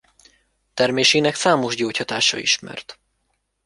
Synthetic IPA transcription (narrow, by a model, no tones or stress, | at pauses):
t̪ɛrmeːʃinɛksaːmo̞ʒɟoːchɒt̪aːʃɒ̰ḭʃmɛ̰rt̪